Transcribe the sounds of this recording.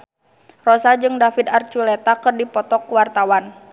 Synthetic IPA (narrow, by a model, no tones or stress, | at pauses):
rɔsad͡ʒɨŋdafid̪art͡ʃulɛt̪akɨrdipɔt̪ɔkwart̪awan